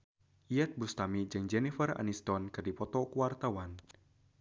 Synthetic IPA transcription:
ʔiɛt̪̚bust̪amid͡ʒɨŋd͡ʒɛnifəra̰nist̪ɔnkɨrdipɔt̪ɔkuwart̪awan

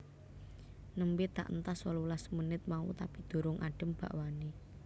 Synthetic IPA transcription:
nəmbɪt̪a̰ʔənt̪asɔlulasmənɪt̪̚maṵt̪apid̪̥o̤ɾʊŋʔaɖ̥ə̤mb̥a̤̰ʔwane

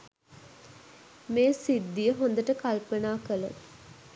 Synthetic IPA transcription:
meːsid̪ːijəɦond̪əʈəkalpənaːkəlo̰t̪

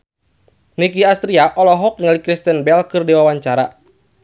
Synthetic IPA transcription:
nikiast̪ɾiaʔɔlɔɦɔk̚ŋalikɾist̪ɛnbɛlkɨrdiwawaɲt͡ʃaɾa

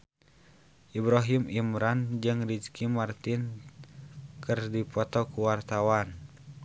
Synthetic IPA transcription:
ʔibɾaɦimimɾand͡ʒɨŋrid͡ʒkʰimart̪in | kɨrdipɔt̪ɔkuwart̪awan

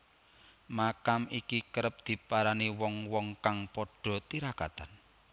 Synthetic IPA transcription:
makamikikəɾəp̚d̪̥i̤paɾaniwɔŋwɔŋkaŋpɔɖ̥ɔ̤t̪iɾaka̰t̪an

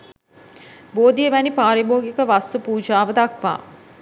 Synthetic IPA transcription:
boːd̪ijeʋænipaːɾiboːɡikəʋast̪upuːd͡ʒaːʋəd̪akʋa̰ː

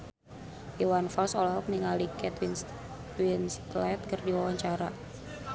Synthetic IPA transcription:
ʔiwanfɔlsɔlɔɦɔk̚niŋalikɛt̪win | winst̪lɛt̪̚kərdiwawaɲt͡ʃaɾa

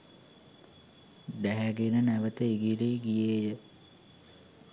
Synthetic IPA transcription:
d̪æɦæɡenənæʋət̪əiɡiɾeɡijeːjə

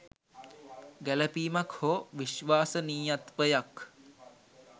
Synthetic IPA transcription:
ɡæləpiːmakhoʋiʃʋaːsəniːjat̪ʋəjak

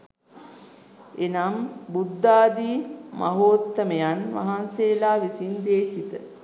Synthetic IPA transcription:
enambud̪ːaːd̪iːmʔa̰ɦoːt̪ːəmejanʋa̰ɦanseːlaːʋisind̪eːʃit̪ə̰

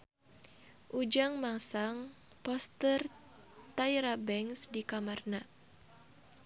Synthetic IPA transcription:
ʔud͡ʒaŋmasaŋ | pɔst̪ər | t̪ajɾabɛŋsdikamarna

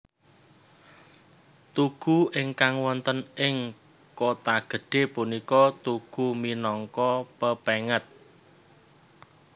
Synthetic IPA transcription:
t̪uɡ̥ṳɪŋkaŋwɔnt̪ənɪŋ | kot̪aɡ̥ə̤ɖ̥e̤punikɔt̪uɡ̥ṳminɔŋkɔpəpeŋət̪̚

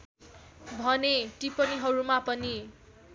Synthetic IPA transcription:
bʱʌneʈipʌniɦʌɾumapʌni

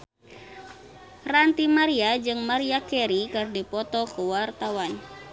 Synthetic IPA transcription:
rant̪imaɾiad͡ʒɨŋmaɾiakɛɾikɨrdipɔt̪ɔkuwart̪awan

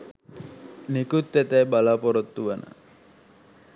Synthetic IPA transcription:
nikut̪ːɛt̪ɛjbalaːpɔɾot̪ːuʋənə̰

